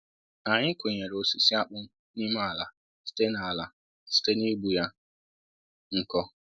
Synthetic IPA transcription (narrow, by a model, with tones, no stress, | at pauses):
a˨ɲɪ˦kʊ˨ɲe˨ɾo˨si˨si˦a˦k͡pʊ˦ | ni˦ma˦˨a˨la˨ | si̥˦te˦na˨a˨la˨ | si̥˦te˦ni˦ɡ͡bu˦ja˦ | ŋ̩˦kɔ˦